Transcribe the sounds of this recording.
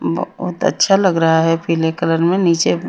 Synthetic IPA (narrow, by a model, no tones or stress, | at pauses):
b̰ɦʊt̪ə̰tːʃʰaləɡɾəɦaɦɛpʰiːlekələɾmẽniːt͡ʃe